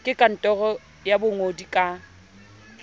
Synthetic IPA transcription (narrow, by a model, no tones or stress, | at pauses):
kʼɪkʼan̩tʼɔɣɔ | jabʊŋodikʼa